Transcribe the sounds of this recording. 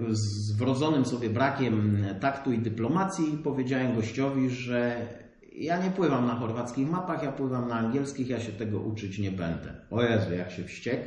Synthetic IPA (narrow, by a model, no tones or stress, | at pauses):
zvɾɔd̪zɔnɘmsɔbʲjɛbɾakʲɛmt̪akt̪uid̪ɘplɔmat̪sʲjipɔvʲjed͡ʑawɛmɡɔɕt͡ɕɔvʲiʐɛ | jaɲɛpwɘvamnaxɔɾvat̪skʲixmapaxjapwɘvamnaːŋɡʲjɛlskʲixjaɕɛt̪ɛɡɔ̰ʔut͡ʂɘt͡ɕɲɛbɛnd̪ɛ̰ɔjɛzɛjakɕɛfɕt͡ɕɛk